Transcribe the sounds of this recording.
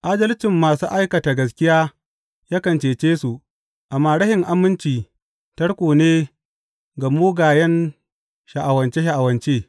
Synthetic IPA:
ʔaː˦d͡ʒɐ˦lɪ˦t͡ʃɪ˨mːaː˨sṵː˦ʔa˦jkɐ˨ta˨ɡɐ˨s̬kʲɪ˦jaː˦ | jaː˦kɐ˨nt͡ʃeː˨t͡ʃeː˦su˨ | ʔa˨mːaː˨ɽɐ˦hɪ˨ŋʔa˦mːɪ˦nt͡ʃiː˨ | tɐ˦ɽkʷoː˨neː˦ | ɡa˨moː˦ɡaː˨jɛ˦n | ʃa˨ʔa˨wɐ˨nt͡ʃe˦ʃa˨ʔa˨wɐ˨nt͡ʃeː˦

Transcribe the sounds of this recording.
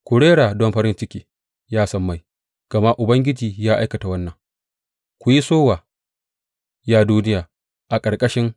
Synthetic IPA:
kʷʊ˨ɽeː˦ɽaː˨dɔ˦mɸɐ˦ɾɪ˦nt͡ʃɪ˦kʲiː˨ | jaː˦sɐ˦mːa˦˨j | ɡ̥ɐ˨ma˦ʔʔʊ˨bɐ˦ŋɡʲɪ˦d͡ʒiː˨jaː˦ʔa˦jkɐ˨ta˨wɐ˦nːɐ˨ŋ | kʷʊ˨ji˦soː˦waː˨ | jaː˦duː˦nɪ˦jaː˨ | ʔa˨kʼɐ˨ɽkʼɐ˦ʃɪ˦ŋ

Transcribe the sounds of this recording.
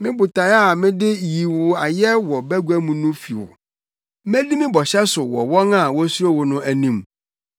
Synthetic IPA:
mɪ̃˦bʊ˨ta˨ja˦˨mɪ̃˦dɪ˦ji˨wʊ˨a˨jɛ˦wɔ˨bæ˦ɡu˦æ˦mũ˦nʊ̃˦fi˨wɔ̰˨ | mɛ̃˦di˦mɪ̃˦bɔ˨ɕɛ˦sʊ˨wɔ˨wɔ̃˦na˨wɔ˦su˦ɾo˦wɔ˨nʊ̃˦æ˨nĩ˦m

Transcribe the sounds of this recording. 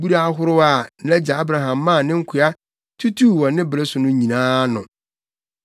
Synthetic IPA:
bu˦ɾa˦a˦ɦʊ˦ɾʊ˦a˨n̩˨lɛ˦d͡ʑa˨a˦bɾa˨ɦã˨mː˦ãː˦˨nɪ̃˦ŋ̩˦kʰʊ˨a˦ | tʰu˦tʰu˦˨wɔ̃˨nɪ̃˦bɾɛ˦sʊ˨nʊ̃˦ɲĩ˨nãː˦nʊ̰̃˨

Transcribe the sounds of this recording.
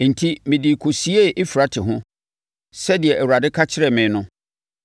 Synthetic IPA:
n̩˨tʰi˦mɪ̃˨di˨kʰo˨si˦e˦ʔɪ˦fi˨ɾa˨˦tʰɪ˨ɦʊ̃˦ | sɛ˦di˨ɛ˨ʔɛ˨wu˨a˨dɪ˦kʰa˦t͡ɕʰɪ˦ɾɛ˨mɪ̃˨˦nʊ̃˦

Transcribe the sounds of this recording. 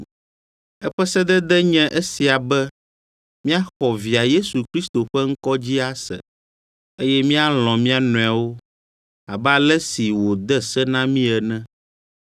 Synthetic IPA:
ɛ˦ɸɛ˦sɛ˦d̪ɛ˦d̪ɛ˦ɲɛ̃˦ʔe˦si˨a˨bɛ˦ | mĩ˦a˦xɔ˨vi˨a˨je˦su˨kɾi˦st̪o˨ɸɛ˦ŋ̩˦kɔ˦d͡ʑi˦a˦sɛ̰˨ | e˦jɛ˦mĩ˦a˦l̃ɔ̃˨mĩ˦a˦nɔ̃˨a˨wo˦ | a˨bɛ˦a˨lɛ˦si˨wo˨d̪ɛ˦sɛ˦nã˦mĩ˦ɛ˨nɛ̃˦

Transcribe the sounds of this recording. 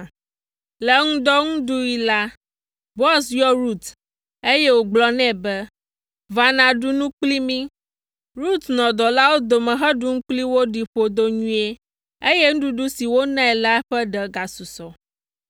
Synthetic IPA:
lɛ˨ŋũ˦d̪ɔ˦ŋũ˦ɖu˦i˨la˦ | bɔ˦sjɔ˦ɾu˦t̪ | e˦je˦wo˨ɡ͡blɔ˦nɛ̃˦˨bɛ˦ | va˨nã˨ɖu˦nũ˦k͡pli˦mĩ˦ | ɾu˦t̪nɔ̃˨d̪ɔ˨la˦wo˦d̪o˨mɛ̃˨ɦɛ˦ɖu˦ŋ̩̃˦k͡pli˦wo˦ɖi˨ɸo˨d̪o˦ɲũ˦e˦ | e˦je˦ŋ̩̃˦ɖu˦ɖu˦si˨wo˦nɛ̃˦ɛ˨la˦ɛ˦ɸɛ˦ɖɛ˨ɡa˨su˨sɔ˨

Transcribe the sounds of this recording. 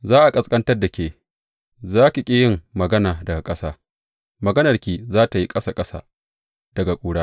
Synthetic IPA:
zaː˦ʔa˨kʼɐ˨skʼɐ˦ntɐ˦rda˨kʲeː˨ | zaː˦ka˨kʲʼɪ˦jɪ˦mːɐ˨ɡɐ˦naː˨dɐ˨ɡa˨kʼɐ˦saː˦ | mɐ˨ɡɐ˦nɐ˨rkʲiː˨zaː˦ta˨ji˦kʼɐ˦sa˨kʼɐ˦sa̰ː˦ | d̥ɐ˨ɡa˨kʷʼuː˨ɽaː˦

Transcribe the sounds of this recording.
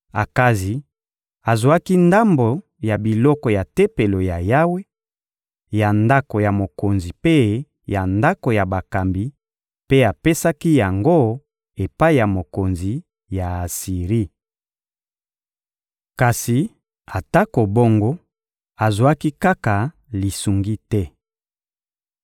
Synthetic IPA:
a˨ka˦zi˨ | a˨zo˨a˦ki˦nda˦mbo˨ | ja˨bi˨lɔ˦kɔ˨ja˨te˦pe˨lo˨ja˨ja˦we˦ | ja˨nda˦ko˨ja˨mo˨ko˨nzi˨pe˦ | ja˨nda˦ko˨ja˨ba˨ka˨mbi˨ | pe˦a˨pe˦sa˦ki˦ja˨ŋɡo˦ | e˨pa˦i˦˨ja˨mo˨ko˨nzi˨ | ja˨a˨si˨ʁi˦ | ka˨si˨ | a˨ta˦ko˨bo˦ŋɡo˦ | a˨zwa˦ki˦ka˦ka˨ | li˨su˨ŋɡi˦tɛ˦

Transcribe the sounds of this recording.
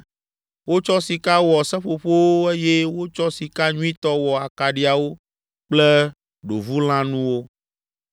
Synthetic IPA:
wo˦t͡ʃɔ˦si˨ka˦wɔ˨sɛ̃˦ɸo˨ɸo˦wo˦e˦je˦wo˦t͡ʃɔ˦si˨ka˦ɲũ˦ĩ˦t̪ɔ˦wɔ˨a˨ka˨ɖi˦a˨wo˦ | k͡plɛ˦ | ɖo̰˨vu˦l̃ã˦nũ˦wo˦

